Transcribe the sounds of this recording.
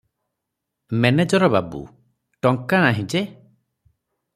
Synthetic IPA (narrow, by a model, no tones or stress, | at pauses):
mened͡ʒɔɾɔbabṵ | ʈɔŋkañaɦĩd͡ʒe